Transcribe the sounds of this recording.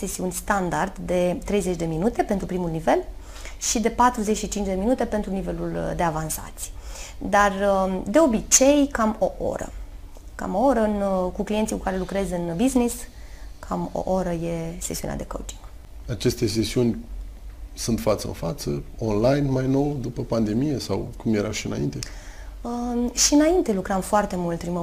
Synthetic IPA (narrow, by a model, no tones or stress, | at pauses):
se̞siunʲst̪and̪ard̪d̪e̞t̪ɾe̞jze̞t͡ʃd̪e̞minut̪e̞pe̞nt̪ɾupɾimulnive̞l | ʃid̪e̞pat̪ɾuzet͡ʃʲʃit͡ʃint͡ʃʲd̪e̞minut̪e̞pe̞nt̪ɾunive̞luld̪e̞avansa̰t̪sʲjd̪ard̪e̞o̞bit͡ʃe̞jkamo̞ʔo̞̰ɾə̰ | ka̰moo̞ɾəɨnkuklient̪sikukaɾe̞lukɾe̞zɨnbiznis | kʰamo̞̰ʔo̞ɾəje̞sesiunḛa̰d̪e̞ko̰wt͡ʃi̥ŋɡ̥ | at͡ʃe̞st̪e̞sesiunʲ | sunt̪fat̪sə̰ɨ̰nfat̪səonlajnmajno̞wd̪upəpand̪e̞mijesawkumjeɾaʃiɨna̰ḭnt̪e̞əʃiɨnaint̪e̞lukɾəmfoart̪e̞mult̪̚pɾimə